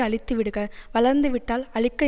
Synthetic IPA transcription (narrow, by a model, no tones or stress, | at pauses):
ɐɭɪt̪ːɯʋɪɽɯɣɐʋɐɭɐɾnd̪ɯʋɪʈːaːlɐɭɪkːɐ